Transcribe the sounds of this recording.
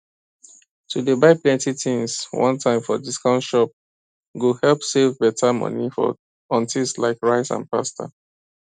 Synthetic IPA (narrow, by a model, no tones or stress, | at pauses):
tʰudebaɪplɛ̃ntitĩnswɔ̰̃ntʰãɪ̃mfɔdiskãʊntʃɔp̚ | ɡohɛlˠpsevbɛtʰamʌ̰nifɔ̰ | ɔ̃ntislaɪkɹaɪsã̰npastʰa̰